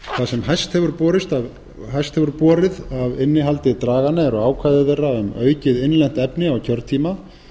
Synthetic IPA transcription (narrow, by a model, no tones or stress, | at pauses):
θasɛmɦajst̪hɛvʏɾpɔːɾɪst̪av | ɦajst̪hɛvʏɾpɔːɾɪðavɪnːɪɦalt̪ɪt̪ɾaːɣanaɛɾaːwkʰajðɪðerːaʏmœːɥcɪðɪnlɛn̥t̪ɛpnɪawcʰœɾt̪t̪ʰiːma